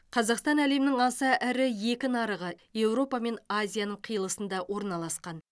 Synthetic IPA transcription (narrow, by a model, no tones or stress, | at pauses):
qʰɑzɑqst̪ɑnæle̞mɪnɪŋɑsəʔæɾɪje̞kʲɪnɑɾəʁəje̞wɾo̞pɑme̞nazʲijanəɴqʰijəlˠəsənd̪ɑwo̞ɾnɑlˠɑsqɑn